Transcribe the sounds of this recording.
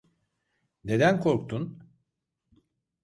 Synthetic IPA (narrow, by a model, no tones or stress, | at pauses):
ne̞d̪ænkʰo̞ɾkt̪ʰun